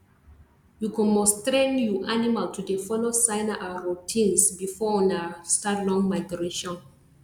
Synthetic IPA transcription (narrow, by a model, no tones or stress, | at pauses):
jukɔ̃mɔstɹɛ̃ŋjuʔanimaltʰudefɔlosãɪnaʔaɹotʰĩnsbifɔɔ̃nastatlɔ̃ŋmajɡɹeʃɔ̃n